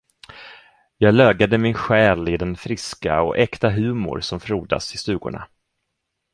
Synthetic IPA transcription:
jɑːɡlœːɡad̪əmɪnɧɛːlɪd̪ɛnfɾɪska̰ɔʔɛkt̪aɦʉ̟ːmʊ̰ɾsɔmfɾuːd̪a̰sɪst̪ʉ̟ːɡʊ̰ɳa̰

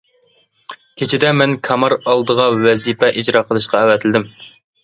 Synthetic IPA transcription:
kʲʰet͡ʃʰɪd̪ɛmɛnkʰɑmɑɾɑlˠd̪əʁɑwɛzipɛʔid͡ʒɾɑqʰəlˠɨʃqɑæwɛt̪ʰɪlɪd̪ɪm

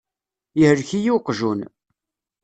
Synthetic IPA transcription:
jəhəɾçijuqʒun

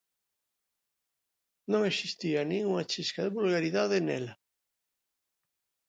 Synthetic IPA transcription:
nõŋesist̪ianĩŋuŋat͡ʃiskaðeβulɣaɾiðaðenɛ̰la

